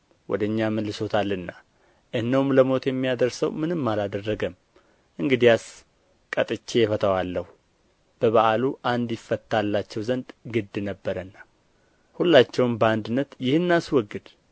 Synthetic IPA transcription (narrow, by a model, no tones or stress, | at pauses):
wɔ̰d̪əɲːaməlːɨso̞t̪ʰalːɨnːa | ʔɨhnəwumləmo̞t̪jɛmːijad̪əɾsə̰wmɨnɨmːalad̪ərːəɡəm | ʔɨŋɡɨd̪ijas | kʼət̪ʼɨt͡ʃːeɛfət̪ʰəwalːəhu | b̥əβaʔaluʔand̪jɪfːət̪ːalːat͡ʃːɛwzənd̪ɡɨd̪ːnəbːəɾənːa | hulːat͡ʃːɛwnbəand̪ɨnːət̪jɪhɨnːaswɔɡːɨd̪̥